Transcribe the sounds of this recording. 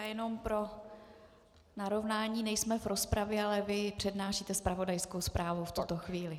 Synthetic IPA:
jɛno̞mpɾo̞ | naɾo̞vnaːɲiːnɛjsmɛvɾo̞spɾavjɛalɛvɪpr̝̥ɛdnaːʃiːt̪ɛspɾavo̞dajsko̞wspɾaːvuft̪ut̪o̞xviːlɪ

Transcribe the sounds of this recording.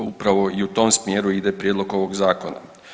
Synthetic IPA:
upɾaʋo̞iut̪o̞ːmsmjeːɾuid̪epɾjed̪lˠoɡo̞ʋoɡzaːko̞na̰

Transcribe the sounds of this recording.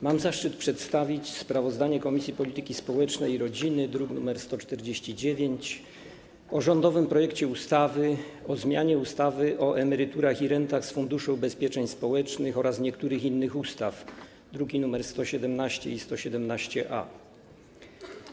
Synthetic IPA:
mamzaʂt͡ʂɘt̪̚pʂɛt̪st̪avʲit͡ɕspɾavɔzd̪aɲɛkɔmʲisʲjipɔlʲit̪ɘkʲispɔwɛt͡ʂnɛjiɾɔd͡ʑinɘd̪ɾuknumɛɾst̪ɔt͡ʂt̪ɛɾd͡ʑeɕt͡ɕid͡ʑevʲjeɲt͡ɕ | ɔʐɔnd̪ɔvɘmpɾɔjɛkt͡ɕɛust̪avɘɔzmʲjaɲɛust̪avɘʔɔʔɛmɛɾɘt̪uɾaxiɾɛnt̪axsfund̪uʂɔ̃wbɛspʲjɛt͡ʂɛɲspɔwɛt͡ʂnɘxɔɾasɲɛkt̪uɾɘxinːɘxust̪af | d̪ɾuɡʲinumɛɾst̪ɔɕɛd̪ɛmnaɕt͡ɕɛist̪ɔɕɛd̪ɛmnaɕt͡ɕɛʔa̰

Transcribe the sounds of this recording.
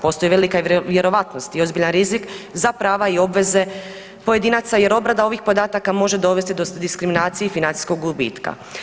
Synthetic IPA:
po̞ːst̪o̞jʋelikaʋje̞ɾo̞ʋat̪no̞st̪io̞zbiʎanɾizikzapɾaːʋaio̞bʋe̞ze̞ | po̞je̞d̪iːnat̪saje̞ɾo̞bɾad̪ao̞ʋixpo̞d̪aːt̪akamo̞ʒe̞d̪o̞ʋest̪id̪od̪iskɾiminaːt̪sijefinant̪i̥sko̞ɡɡubḭːt̪ka̰

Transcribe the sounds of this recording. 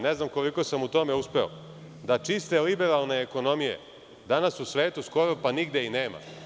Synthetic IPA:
neznamko̞liko̞samut̪o̞me̞uspe̞o̰ | d̪at͡ʃist̪e̞libe̞ɾalˠne̞ːko̞no̞mijḛ | d̪anasusʋe̞ːt̪usko̞ɾopaniɡd̪eineːma̰

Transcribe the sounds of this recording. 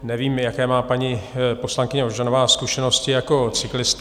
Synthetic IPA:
nɛviːmjakɛːmaːpaɲɪpo̞slaŋkɪɲɛoʒanovaːskuʃɛno̞scɪjako̞t͡sɪklɪst̪

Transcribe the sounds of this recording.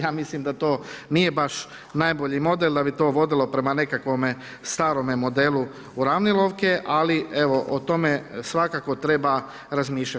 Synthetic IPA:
jaːmislimd̪at̪o̞ːnije̞baʃ | najbo̞ʎimo̞d̪elˠd̪abit̪o̞ːʋo̞d̪ilˠo̞pɾe̞mane̞kakʋo̞me | st̪aːɾo̞memo̞d̪elˠu | uɾaʋnilˠoʋkeʔalieʋoʔot̪o̞mesʋakakot̪ɾe̞ba | ɾazmiːʃʎat̪

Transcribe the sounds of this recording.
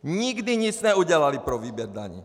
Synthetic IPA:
ɲiɡd̪iɲisɲɛuɟɛlalipɾɔʋiːbɛɾd̪a̰ɲḭː

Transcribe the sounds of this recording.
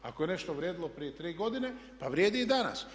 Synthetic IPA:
a̰kojene̞ʃt̪oʋɾjeːd̪ilopɾije̞t̪ɾiːɡo̞d̪ine̞paʋɾjeːd̪iːd̪ana̰s

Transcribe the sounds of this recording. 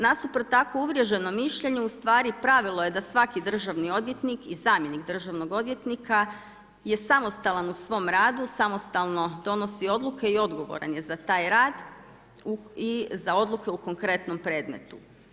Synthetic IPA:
nasupɾot̪akouʋɾje̞ʒe̞no̞miʃʎe̞ɲeust̪ʋaːɾipɾaʋilˠo̞je̞d̪asʋakid̪r̩ʒaʋnio̞d̪ʋje̞t̪nikizaːmje̞niɡd̪r̩ʒaʋno̞ɡo̞d̪ʋje̞t̪nika | je̞samo̞st̪alanusʋo̞mɾaːd̪usamo̞st̪alˠno̞d̪o̞no̞sio̞d̪lukʰe̞io̞d̪ɡo̞ʋo̞̰ɾanje̞zat̪aːjɾaːd̪ | uizao̞d̪lˠuke̞uko̞ŋkɾe̞t̪no̞mpɾe̞ːd̪me̞̰t̪u

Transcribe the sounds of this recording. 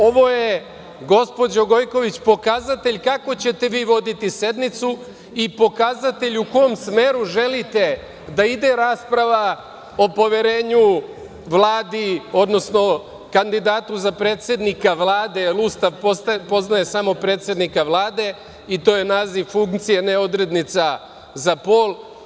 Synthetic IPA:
o̞ʋo̞je | ɡo̞spo̞d͡ʑoɡo̞jko̞ʋit͡ɕpo̞kazat̪e̞ʎkako̞t͡ɕe̞t̪e̞ʋiːʋo̞d̪it̪ise̞d̪nit̪su | ipo̞kazat̪e̞ʎuko̞jomsme̞ːɾuʒe̞lit̪e̞ | d̪aid̪e̞ɾaːspɾaʋa | o̞po̞ʋeɾe̞ːɲu | ʋlˠaːd̪io̞d̪no̞sno̞ | kand̪id̪aːt̪uzapɾe̞ːt̪se̞d̪nikaʋlˠaːd̪e̞lˠust̪aʋpspo̞znaje̞samo̞pɾe̞ːt̪sje̞d̪nikaʋlˠaːd̪e̞ | it̪o̞ːje̞naːziʋfuŋkt̪sijeneo̞d̪ɾe̞d̪nit̪sa | zapo̞ːlˠ

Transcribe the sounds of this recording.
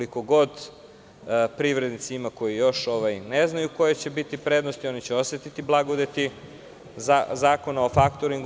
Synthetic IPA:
liko̞ɡo̞d̪ | pɾiʋɾe̞d̪nit̪siimako̞jijo̞ʃo̞ʋajneznajuko̞jet͡ɕe̞bit̪ipɾed̪nost̪io̞nit͡ɕeosʋet̪it̪iblˠaɡod̪et̪i | zazaːko̞nao̞fakt̪oɾiŋɡ

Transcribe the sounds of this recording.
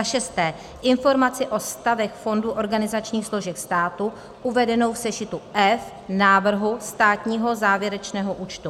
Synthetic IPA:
aʃɛst̪ɛː | ʔɪnfo̞ɾmat͡sɪʔo̞st̪avɛxfo̞nduʔo̞ɾɡanɪzat͡ʃɲiːxslo̞ʒɛkst̪aːt̪u | ʔuvɛdɛno̞wfsɛʃɪt̪uʔɛf | naːvr̩ɦust̪aːt̪ɲiːɦo̞zaːvjɛɾɛt͡ʃnɛːɦoʔuːt͡ʃt̪u

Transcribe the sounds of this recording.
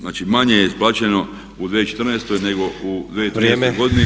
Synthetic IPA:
naːt͡ʃimaɲejesplat͡ʃeno̞ | ud̪ʋeet͡ʃet̪r̩neːst̪o̞jne̞ɡo̞ud̪ʋeːt̪ɾiiesojɡo̞d̪ine

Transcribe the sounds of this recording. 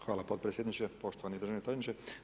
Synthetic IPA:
xʋaːlapot̪pɾesjed̪it͡ɕepo̞ʃt̪oʋanid̪ɾr̩ʒaʋnet̪anit͡ɕe

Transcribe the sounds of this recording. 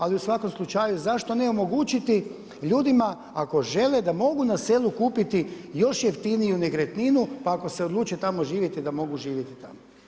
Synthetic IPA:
aliusʋako̞mslˠut͡ʃajuzaʃt̪o̞neomo̞ɡut͡ʃit̪i | ʎuːd̪ima | ako̞ʒe̞led̪amo̞ɡunaseːlˠukuːpit̪i | jo̞ʃjeft̪inijuneɡɾet̪ninupaːko̞seo̞d̪lˠuːt͡ʃet̪amo̞ʒiːʋjet̪id̪amo̞ɡuʒiːʋjet̪it̪amo

